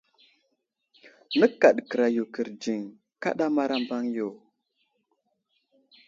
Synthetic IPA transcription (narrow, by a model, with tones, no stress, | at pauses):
nə˦ka˨ɗkə˨ɾa˨ju˨kə˨ɾd͡ʒi˨ŋ | ka̰˦ɗa˦ma˦ɾa˦mba˦ŋjo˨